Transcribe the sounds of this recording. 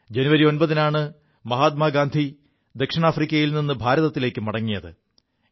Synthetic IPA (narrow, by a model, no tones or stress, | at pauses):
d͡ʑe̞nuʋɐɾio̞nbɐðinaːɳɨ | mɐɦaːt̪̚maːɡaːnd̪ʱi | d̪e̞kʂiɳaːfrikʲːɐjilninːɨbʱaːɾɐðɐt̪ːile̞ːkːɨmɐɽɐŋːijɐðɨ